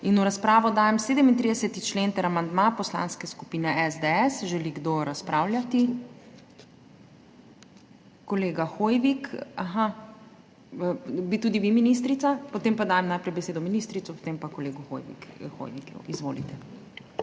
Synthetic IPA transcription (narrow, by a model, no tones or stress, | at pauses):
inuɾaspɾaːʋɔd̪aːjɛmseːd̪əmint̪ɾid̪ɛsɛt̪it͡ʃleːnt̪ɛɾamand̪mapɔsla̰ːnskɛskupiːnɛʔɛzd̪eɛsʒɛliɡd̪oɾaspɾaːwlʲjat̪i | kɔleːɡaxoːjʋikaxa | bit̪uːd̪iʋiminist̪ɾit̪sapɔt̪eːmpad̪aːjɛmnajpɾɛjbɛseːd̪ɔminist̪ɾit̪sɔpɔ̥t̪empakɔleːɡuxo̰jʋḭkxo̰jʋikṵizʋoːlit̪ɛ